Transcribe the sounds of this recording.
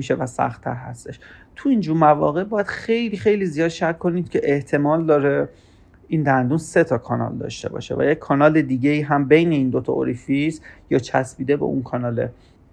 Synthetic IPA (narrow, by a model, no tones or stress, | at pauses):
iʃe̞væsæ̰xt̪ʰæ̰ɾɦæ̰st̪e̞ʃt̪ʰuind͡ʒumævɒ̰ːɣe̞ʔbɒːjæd̪̥xejliːxe̞jlizijɒːd̪ʃækʰːo̞niːd̪̚cʰe̞ʔeht̪ʰe̞mɒːld̪ɒːɾe | iːnd̪ænd̪uːnse̞t̪ʰɒkʰɒːnɒ̰ːld̪ɒ̰ːʃt̪e̞̰bɒ̰ːʃḛvæ̰jecʰːɒːnɒːled̪iːɟe̞iːɦæmbe̞jne̞iːnd̪ot̪ʰɒ̰o̰ɾifisjɒːt͡ʃʰæsbiːd̪e̞bḛʔṵnkʰɒːnɒːlḛ